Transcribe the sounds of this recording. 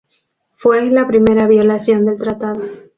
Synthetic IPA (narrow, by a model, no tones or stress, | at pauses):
fwe̞lapɾime̞ɾaβjo̞lasjo̞nd̪e̞lt̪ɾat̪aðo̞